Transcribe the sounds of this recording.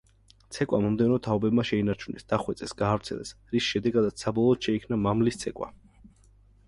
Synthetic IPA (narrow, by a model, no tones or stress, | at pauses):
t̪sʰɛkʼwamɔmd̪ɛnɔt̪ʰaɔbɛbmaʃɛinaɾt͡ʃʰunɛ̰sd̪̥aχwɛt̪sʼɛsɡaːvɾt̪sʰɛ̰lɛ̰sɾisʃɛd̪ɛɡad̪at̪ssabɔlˠɔːt̪ʃɛikʰnamamlist̪sʰɛkʼwa̰